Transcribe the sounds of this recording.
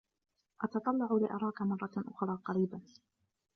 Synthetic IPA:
ʔɑt̪ɑt̪ˤɑlːɑʕʊlɪʔɑɾˤɑːkamɑrˤːɑʔʊxɾˤɑːqɑɾiːban

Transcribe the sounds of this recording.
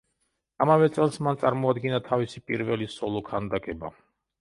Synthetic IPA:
amavɛt̪sʼɛlˠsmant̪sʼaɾmɔad̪ɡinat̪ʰavisipʼiɾvɛlisɔlˠɔkʰand̪akʼɛba̰

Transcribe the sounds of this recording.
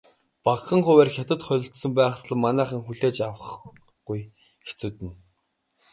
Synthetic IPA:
pakχə̆ŋχʊwæːrxʲat̪ə̆t̪χœɮʲɪ̆ɬt̪sə̆mpæːχt̪ɮə̆mːanæːχə̆ŋxuɮeːt͡ɕawə̆χ | ɡ̥uj | xe̥t͡sŭːt̪ɘ̆n

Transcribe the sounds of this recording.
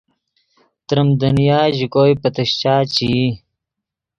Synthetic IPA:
t̪ɾəmd̪unijaːʑikoːjpət̪əɕt͡ɕaːt͡ɕi

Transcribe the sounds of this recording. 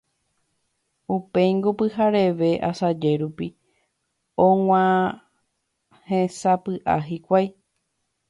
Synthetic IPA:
upẽ̞j̃ŋɡopɨɦaɾe̞ʋe̞ʔasad͡ʒe̞ɾupi | õw̃ʷã | hẽsapɨʔaɦikʷaj

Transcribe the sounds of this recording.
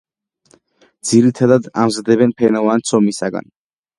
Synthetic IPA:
d̪z̥iɾit̪ʰad̪ad̪a̰mzad̪ɛbɛnpʰɛnɔvant̪sʰɔmisaɡa̰n

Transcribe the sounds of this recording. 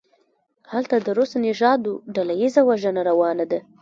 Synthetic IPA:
halt̪ad̪əɾosnɪʒɑd̪oɖalajizawaʒənaɾawɑnad̪a

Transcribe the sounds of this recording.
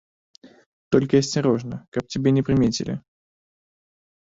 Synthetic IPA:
t̪o̞lʲkəɪsʲtʲɪɾo̞ʐnəkak̚tʲɪbʲenʲɪpɾʲɪmʲetʲɪ̰lʲɪ̰

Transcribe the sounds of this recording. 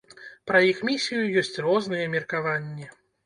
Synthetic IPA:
pɾɐjixmʲisʲijujɔsʲt͡sʲrɔznɨjɛmʲirkavanʲːɛ

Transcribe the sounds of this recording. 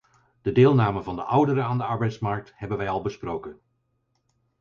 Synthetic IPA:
d̥ədɪːlˠnaːməvɑndəʔʌwdəɾəaːndəɑɹbɛjtsmɑɹk̚thɛbənʋɛjɑlˠbəsprowkən

